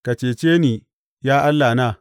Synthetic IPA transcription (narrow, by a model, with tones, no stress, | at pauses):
ka˨t͡ʃeː˨t͡ʃeː˦niː˨ | jaː˦ʔa˦lːaː˨naː˦˨